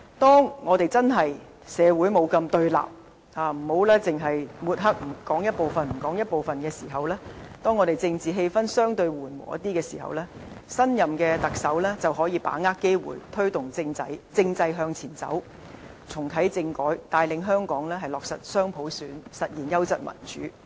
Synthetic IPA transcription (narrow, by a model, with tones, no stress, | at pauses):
t̪ɔː˥ŋŋɔː˨˧t̪e˨˩jt͡sɐ˥nɦɐ˨j | sɛː˨˧wuː˨˥jmo˨˧wkɐ˧mt̪ɵ˧ɥla̰ː˨p̚ | haː˨˩m̩˨˩ho˨˥wlɛː˥t͡sɪ˨ŋɦɐ˨jmuː˨˩t̚ɦɐ˥k̚m̩˨˩kɔː˨˥ŋjɐ˥t̚po˨˧wfɐ˨nm̩˨˩kɔː˨˥ŋjɐ˥t̚po˨wfɐ˨nkɛː˧siː˨˩ɦɐ˨wlɛː˥t̪ɔː˥ŋːɔː˨˧t̪e˨jt͡sɪ˧ŋt͡siː˨˩ɦe˧jfɐ˥nsœː˥ŋt̪ɵ˧ɥwuː˨˩nwɔ̰ː˨˩ɐ̰˦t̪i˥kɛː˧siː˨˩hɐ̰˨wlɛː˥ | sɐ˥njɐ˨mkɛː˧t̪ɐ˨k̚sɐ˨˥wlɛː˥t͡sɐ˨wɦɔː˨˥jiː˨˧pa̰ː˨˥ŋaː˥kːe˥jwṵː˨˩jt̪ʰɵ˥ɥt̪ʊ˨˩ŋt͡sɪ˧ŋt͡sɐ˧jt͡sɪ˧ŋt͡sɐ˧jɦœː˧ŋt͡sʰiː˨˩nt͡sɐ̰˨˥w | t͡sʰʊ˨˩ŋt̪ʰɐ˨˥jt͡sɪ˧ŋkɔː˨˥jt̪aː˧jlɪ˨˧ŋɦœː˥ŋkɔː˨˥ŋlɛː˥ɦɐ˨jlɔː˨k̚sɐ̰˨t̚sœː˥ŋpʰo˨˥wsyː˨˥nsɐ˨t̚jiː˨˩njɐ˥wt͡sɐ̰˨t̚mɐ̰˨˩nt͡ʃy̰ː˨˥